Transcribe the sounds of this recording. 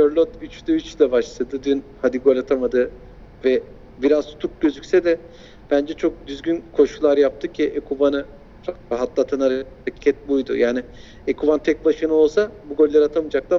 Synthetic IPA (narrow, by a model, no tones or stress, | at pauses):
øɾlʲˠot̪yt͡ʃlɛyt͡ʃlʲɛbaʃlˠad̪ɯd̪ynhad̪iɡo̞lʲat̪ʰamad̪ɯ | vɛ | biɾazt̪ʰu̥t̪ʰuk̚ɟø̞zycʲsɛd̪ɛ | b̥ænd͡ʒɛt͡ʃʰo̞k̚d̪yzɡynkʰo̞ʃulˠaɾjap̚t̪ʰɯcʰiʔekʰubanɯ | fakaɦat̪lˠat̪ʰanaɾaci̥cʰɛt̪̚bujd̪ṵjaːnɪ | ekubant̪ʰɛc̚baʃɯnɯo̞lˠsabuɡo̞lːʲaɾat̪ʰamɯd͡ʒak̚lˠa